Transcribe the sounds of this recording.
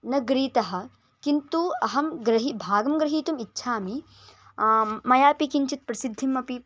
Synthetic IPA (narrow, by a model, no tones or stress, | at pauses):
nɐɡɾiːt̪ɐɦɐ̆ | kint̪uɐɦɐmɡɾɐɦibʱaːɡɐmɡɾɐɦiːt̪umitːʃʰaːmi | mɐjaːpikiɲt͡ʃit̪̚pɾɐsid̪ʱːimːɐpi